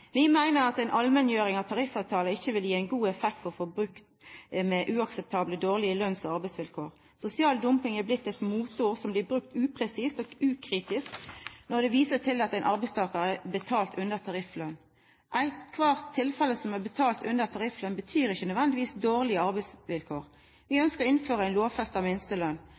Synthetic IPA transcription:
ʋɪmæɪnəɾɑt̪æɪnʔɑlmɛnjøːɾɪŋɑʋt̪ʰɑʁɪfɑʉt̪ʰɑːləɪçːəʋɪljiːæɪnɡuːɛfɛkt̪fɔʁfɔbɾʉkt̪mɛʔʉːɑksɛp̚t̪ʰɑːbləd̪oːʁlɪəlœnsɔɑɾbæɪsʋɪlkʰoːʁ | sʊsɪɑːld̪ʊmpɪŋæblɪt̪ːɛt̪muːt̪uːʁsɔmblɪːbɾʉk̚t̪ʉːpʰʁɛsiːsɔɡʉːkʰʁiːt̪ɪsknɔʁd̪ɛʋiːsət̪ʰɪlɑt̪æɪnʔɑɾbɛɪst̪ʰɑːkəʁəɛbət̪ʰɑːlt̪ʰʉnəʁt̪ʰɑʁɪflœn | ʔæɪt̪kʰʋɑːʁt̪ʰːɪlfɛlːəsɔmæbət̪ʰɑːlt̪ʉnət̪ʰɑʁɪflœnbət̪ʰyːɾɪçənœd̪ʋɛnd̪ɪʋiːsd̪oːʁlɪəɑɾbɛɪsʋɪlkʰoːʁ | ʋɪœnskəʁɪnføːʁəæɪnloːfɛst̪ɑʋmɪnst̪əlœn

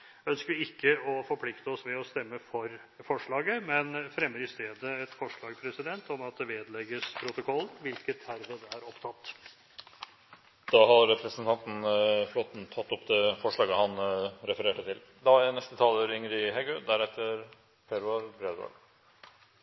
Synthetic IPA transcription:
œnskəɾʋɪɪkʰːəɔfɔɾpʰlɪkt̪əɔsʋɛɔst̪ɛmːəfɔɾ | fɔʂɭɑːɡəmɛnfɾɛmːəɾɪst̪eːd̪əɛt̪fɔʂɭɑːɡpʰɾɛsɪd̪ɛnt̪ɔmɑt̪̚d̪ɛʋeːd̪lɛɡəspʰɾʊt̪ʊkʰɔlːʋɪlkət̪æɾʋəd̪ɛæɾɔpt̪ʰɑt̪ː | d̪̥ɑːɦɑɾːɛpʰɾəsənt̪ɑnt̪n̩flɔt̪n̩t̪ʰːɑt̪ːɔpd̪ɛfɔʂɭɑːɡəhɑnɾɛfəɾeːʈət̪ʰɪl | d̪ɑːjænɛst̪ət̪ʰɑːləɾɪŋəɾɪɦɛɡød̪æɾɛt̪ʰːəɾ | pʰɛɾɑɾbɾed̪o̰l

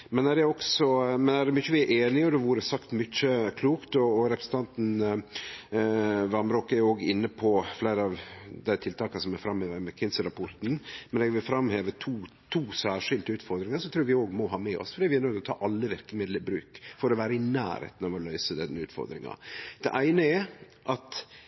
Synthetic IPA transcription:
mɛnæɖɛɔksɔmɛnæɖɛmʏçːəʋɪæɾʔeːnɪɔd̪ɛʋuːɾəsɑkt̪mʏc͡çəkʰluːkt̪ɔːɾɛpɾəsn̩t̪ɑnt̪n | ʋɑɾmɾoːkːæɾjʊoːɡɪnːəpʰɔflæɪɾəɑʋd̪æɪt̪ʰɪlt̪ɑːkɑsɔmæfɾɑmheːʋəɾmɛkʰɪnsəɾɑpʰɔɾt̪n̩mɛnɛɡʋɪlfɾɑmheːʋət̪ʰuː | t̪ʰuːsæːʂɪld̪əʉːt̪fɔɾd̪ɾɪŋəsɔt̪ʰɾuːɾʋɪoːɡmɔɦɑːmɛɔ̰sfɔɾɖ̪iːʋɪæɾnœʏɡ̪lɔt̪ʰɑ̰ːʔɑlːəʋɪɾkəmɪd̪ləbɾʉ̰ːkfɔɾɔʋæːɾəɪnæ̰ːɾhḛːt̪n̩ɔʋɔlœʏsəd̪ɛnːʉːt̪fɔ̰ɾd̪ɾɪ̰ŋɑ̰d̪̥ɛʔæɪnəɛ | ʔɑt̪

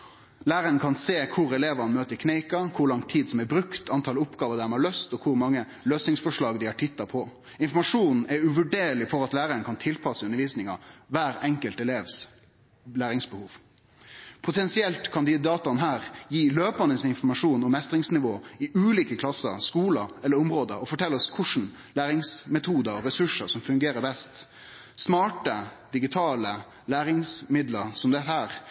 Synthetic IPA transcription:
læːɾənkʰɑnseːkʰʊɾɛleːʋɑnmøːt̪əkʰneɪkɑkʰʊɾlɑŋt̪ʰiːd̪sɔmɛbɾʉkt̪ʰɑnt̪ʰɑlʊpɡɑːʋəd̪æmhɑːløːst̪ɔkʰʊɾmɑŋːə | løːsnɪŋsfɔʂɭɑːɡd̪ɪhɑʈʰɪt̪ːɑpʰɔ | ɪnfɔɾmɑʂuːnn̩ɛʉʋʉɖeːɾlɪfɔɾɑt̪læːɾənkʰɑnt̪ʰɪlpʰɑsəʉnəɾʋiːsnɪŋɑ̰ʋæːɾɛŋkəlt̪ɛleːʋs | læːɾɪŋsbəhuːʋ | pʰʊt̪ʰɛnsɪɛlt̪kʰɑnd̪ɪd̪ɑːt̪ɑnɦæːɾjiːløːpɑnəsɪnfɔɾmɑʂuːnɔmːɛst̪ɾɪŋsnɪʋoːɪʔʉːliːkəkʰlɑsːə̰ɾskuːləɛləɾʊmʁoːd̪əɾɔfɔʈʰɛlːɔskʰʊʂn̩ | læːɾɪŋsmɛt̪ʰuːd̪əɔɾɛsʉʂəsɔmfʉŋɡeːɾəbɛst̪ | smɑːʈəd̪̥ɪɡɪt̪ʰɑːlə | læːɾɪŋsmɪd̪ləɾsɔmd̪ɛt̪ːəhæːɾ

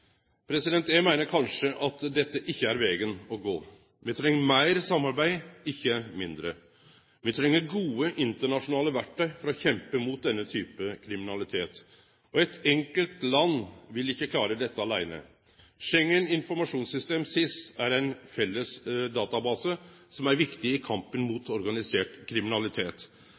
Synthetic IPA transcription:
pʰɾɛsɪd̪ɛnt̪æmæɪnəɾkʰɑnʂəʔɑt̪d̪ɛt̪ːəʔɪçːəæɾʋɛːɡənɔɡoː | ʋɪt̪ʰɾɛŋːəɾmæɪɾsɑmːɑɾbæɪɪçːəmɪnd̪ɾə̰ | ʋɪt̪ʰɾɛŋːəɾɡuːəʔɪnt̪əɳɑʂʊnɑːləʋæʈːəfɔɾɔçɛmpəmʊːt̪̚d̪ɛnːət̪ʰyːpəkʰɾɪmɪnɑlɪt̪ʰeːt̪ | ɔɛt̪ɛŋkəlt̪lɑnːʋɪlɪçːəkʰlɑːɾəd̪ɛt̪ːəɑlæɪnə̰ | ʂɛŋːənɪnfɔɾmɑʂuːnsʏst̪eːmsɪst̪æɾɛɪnfɛlːəsd̪ɑːt̪ɑbɑːsəsɔmæɾʋɪkt̪ɪɪkʰɑmpənmut̪ɔɾɡɑnɪseːʈkʰɾɪmɪnɑlɪt̪ʰeːt̪

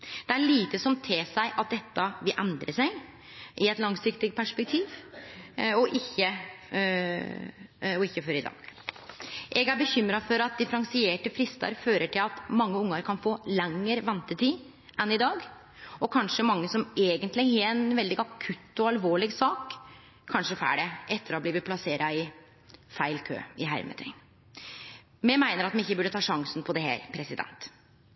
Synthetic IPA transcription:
d̪̥ɛæɭiːt̪əsɔmt̪ʰeːsæɪʔɑt̪̚d̪ɛt̪ːɑʋɪlʔɛnd̪ɾəsæɪ | ʔɪɛt̪lɑŋsɪkt̪ɪɡ̪pʰæʂpɛk̚t̪ʰiːʋ | ɔʔɪçːə | ɔɪçːəfɔɾɪd̪ɑ̰ːɡ̥ | ʔɛɡæɾbəçʏmːɾɑfɔɾɑt̪̚d̪ɪfɾɑŋsɪeːʈəfɾɪst̪ɑ̰ɾføːɾəʈʰɪlɑt̪mɑŋːəʊŋːəɾkʰɑnfoːlɛŋːəɾʋɛnt̪ət̪ʰiː | ɛnɪd̪ɑːɡ | ɔkʰɑnʂəmɑŋːəsɔmeːɡənt̪lɪɡɛɛnʋɛld̪ɪɡɑkʰʉt̪ːɔɑlʋoːɭɪɡsɑːkʰː | ɑnʂəfæ̰ːɖɛʔɛt̪ːəɾɔbliːʋəpʰlɑseːɾʔɑɪ | fæɪlkʰø̰ːɪɦæ̰ɾmə̰t̪ʰɾɪ̰ŋ | mɛmæɪnəɾɑt̪mɛnɪçːəbʉɖət̪ʰɑːʂɑŋsn̩pʰɔd̪ɛhæ̰ːɾpʰɾɛsɪd̪ɛ̰nt̪

